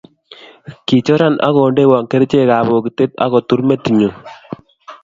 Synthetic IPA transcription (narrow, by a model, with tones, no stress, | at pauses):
ki˨t͡ʃɔ˦ɾa˦nʔa̰˦ɣɔ˨nde˦˨wa˨ŋke˦ɾt͡ʃe˦˨ka˨bo˨ki˨te˦ta̰˦ɣɔ˨tu˦ɾme˦ti˨ɲo˨